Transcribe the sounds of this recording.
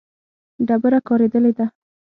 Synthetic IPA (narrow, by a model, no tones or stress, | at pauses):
ɖabəɾakɑɾed̪əled̪a